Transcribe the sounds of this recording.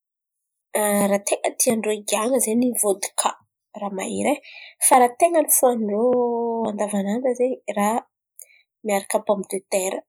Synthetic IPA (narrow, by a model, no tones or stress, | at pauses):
ɾat̪ʰeŋət̪iaɳɖ͡ʐoiɡaŋəzenivod̪u̥kʰa | rama̰ɦḭɾefaɾat̪eŋənifuanɖ͡ʐoand̪avanand̪əzera | miaɾakəbomid̪et̪eɾə